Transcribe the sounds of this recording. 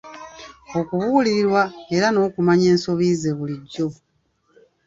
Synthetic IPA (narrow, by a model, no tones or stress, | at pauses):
o̞kuβuːliɾiɾwae̞ɾano̞ːkumaɲe̞ːnso̞βiːze̞βuliɟːo̞